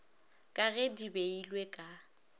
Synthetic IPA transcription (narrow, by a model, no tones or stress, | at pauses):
kʼaɣedibeilwekʼa